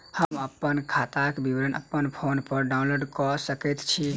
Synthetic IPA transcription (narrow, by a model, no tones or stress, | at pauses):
həməpːənkʰat̪akbiʋɾənə̰pːənpʰonpəɾɖaũnloɖkɔsəkɛt̪t͡ʃʰi